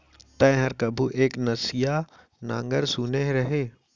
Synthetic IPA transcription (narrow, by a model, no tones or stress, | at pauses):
t̪ɐ̃ɦəɾkɐbʱuʔeːknɐsɪja | nã̰ːŋɡəɾsuneɦɾɐɦeː